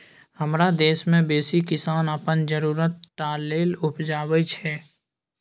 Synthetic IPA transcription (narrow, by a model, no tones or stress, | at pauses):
həmɾad̪eːʃmẽbeːsikɪsaːnəpənd͡ʒəɾuːɾət̪̚ʈaːleːlʊpd͡ʒaːwət͡ʃʰɛː